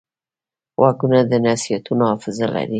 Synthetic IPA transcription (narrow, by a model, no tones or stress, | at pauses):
wʔaɡunad̪ənasijat̪unohɑfɪzala̰ɾi